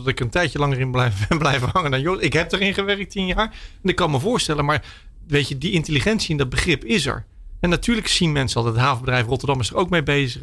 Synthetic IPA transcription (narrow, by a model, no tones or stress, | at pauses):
dɑtɪkəəntɛjtjəlɑŋərɪnblɛfblɛjvəɦɑŋəndanjoɪkɦɛp̚daɹɪnχəʋɛrək̚tinjaːɹɛnɪkːɑnməvʊːɹstɛlənmaːɹ | ʋejcədiɪnteliχɛntsiɪndɑd̚bəχrɪpɪzɛ̰ɹ | ɛnːatyːɹləksinmɛnsəɑlˠətɦaːvəbədrɛjfrɔtəɹdɑmɪsdəɹowkmejbejzə